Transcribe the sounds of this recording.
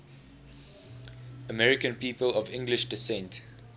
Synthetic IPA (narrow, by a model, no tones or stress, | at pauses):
əmɛɹɪkə̃npiːpəlɔvɪ̃ŋɡlɪʃdɪsɛ̃nt